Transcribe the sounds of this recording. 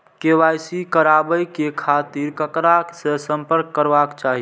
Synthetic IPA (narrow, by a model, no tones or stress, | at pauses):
keʋajsikəɾabəjkekʰat̪iɾkəkɾasesəmpəɾkːəɾbakt͡ʃaɦi